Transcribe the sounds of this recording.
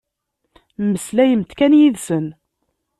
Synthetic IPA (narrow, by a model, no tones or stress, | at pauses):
məslæjəmt̪kænjiðsən